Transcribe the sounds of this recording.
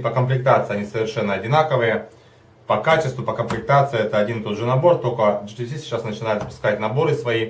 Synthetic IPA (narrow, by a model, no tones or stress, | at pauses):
pəkəmplʲɪk̚t̪at̪sɨɪɐnʲisəvʲɪrʂɛnːəɐdʲɪnakəvɨjə | pɐkat͡ɕɪst̪vʊpəkəmplʲɪk̚t̪at̪sɨɪɛt̪əɐdʲint̪ot̪ʐɨnɐbo̞rt̪okəd͡ʒɨt̪ʲɪsʲisʲɪ̥t͡ɕːasnət͡ɕɪnajʊt̪spʊ̥skat̚ʲnɐbo̞ɾɨsvɐi